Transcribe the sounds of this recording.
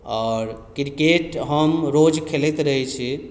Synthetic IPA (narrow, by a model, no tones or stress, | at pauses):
ɔɾkiɾkeʈɦəmɾod͡ʒkʰelɛt̪ɾəɦɛt͡ʃʰi